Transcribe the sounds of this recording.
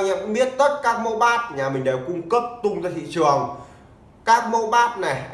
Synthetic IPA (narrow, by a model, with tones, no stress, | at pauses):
ɲa̰˧˨kŋɓi˦˥ət̚t̪ə˦˥t̚kaː˦˥k̚mo˧ɓaː˦˥t̚ɲaː˨˩mï˨˩ŋ̟ɗe˨˩wkʊ˧ŋ͡mkə˦˥p̚t̪ʊ˧ŋ͡mzaː˧˨t̪ʰḭ˧˨t͡ɕɨ˨˩əŋ | kaː˦˥k̚mo˧ɓaː˦˥t̚na˨˩jʔ